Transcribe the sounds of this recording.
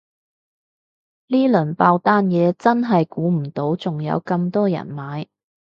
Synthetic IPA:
liː˥lɵ˨˩npaː˧wt̪aː˥njɛː˨˧t͡sɐ˥nɦɐ˨jkuː˨˥m̩˨˩t̪o˨˥wt͡sʊ˨ŋjɐ̰˨˧wkɐ˧mt̪ɔː˥jɐ̰˨˩nmaː˨˧j

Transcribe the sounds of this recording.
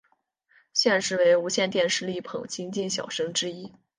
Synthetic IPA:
ɕjɛ˥˧nʂɻ̩˥˩we˧˥ɪu˧˥ɕjɛ˥˧nt̪jɛ˥˧nʂɻ̩˥˧li˥˩pʰɤ̰˨˩ŋt͡ɕʰi˥ŋt͡ɕi˥˩nɕjɑ̰˨˩ʊʂɤ˥ŋʈ͡ʂɻ̩˥i˥

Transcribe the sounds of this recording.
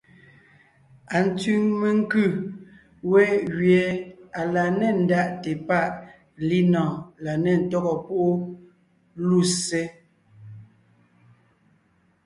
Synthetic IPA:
a˨n̩˨tʉ˦ŋme˦ŋ˦kʉ˦˨ | wɛ˦ɣɥjɛ˨˦a˨la˨nɛ˦˨n̩˨˦da˦ʔtɛ˨pa˦˨ʔ | li˦nɔ̃ː˨la˨nɛ˨n̩˨tɔ˦ɣɔ˨po˦ʔo˦ | lu˦˨se˦

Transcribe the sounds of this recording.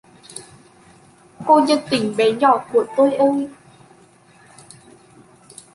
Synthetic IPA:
ko˧ɲə˧˥nt̪ï˧˩ŋ̟ɓɛ˨˦ɲɔ˧˩˨ku˧˩ət̪o˧jʔo˧j

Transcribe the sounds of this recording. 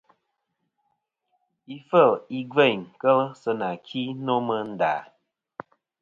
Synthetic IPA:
i˦fə˦˨li˦ɡe˦˨ɲ˨kə˦lsə˨na˨kʰi˦no˦mə˦n̩˦da̰ː˨

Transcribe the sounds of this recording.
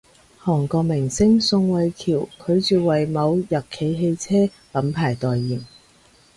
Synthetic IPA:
hɔː˨˩ŋkɔː˧k̚mɪ˨˩ŋsɪ˥ŋsʊ˧ŋwɐ˨˧jkʰiː˨˩wkʰɵ˨˧ɥt͡syː˨wɐ˨˩jmɐ˨˧wjɐ˨˩t̚kʰe˨˧jɦe˧jt͡sʰɛː˥ | lɐ˨˥mpʰaː˨˩jt̪ɔː˨jːiː˨˩m

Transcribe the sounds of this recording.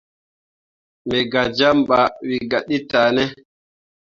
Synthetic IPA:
mɛ˨ɡa˨d͡ʒa˦mɓa˨wi˨ɡa˨ɗi˦taː˨nɛ˦

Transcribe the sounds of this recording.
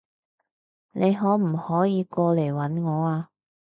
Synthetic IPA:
nʔe˨˧jɦɔː˨˥m̩˨˩hɔː˨˥jiː˨˧kɔː˧le˨˩jwɐ˨˥nŋɔː˨˧aː˧

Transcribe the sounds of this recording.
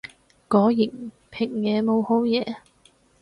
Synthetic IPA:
kɔː˨˥jɪ˨˩ŋ̚ | pʰɪ˨˩ŋjɛː˨˧mo˨˧who˨˥wjɛː˨˧

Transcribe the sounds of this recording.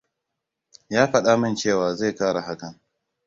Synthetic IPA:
jaː˦ɸɐ˦ɗaː˦mɐ˦nt͡ʃeː˦˨waː˨ze˦˨kaː˦ɽa˨ɦa˦kɐ˨n

